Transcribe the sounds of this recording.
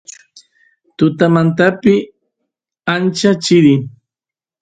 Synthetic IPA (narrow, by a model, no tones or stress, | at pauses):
t̪ʊt̪amant̪apɪ | ant͡ʃat͡ʃɪɾɪ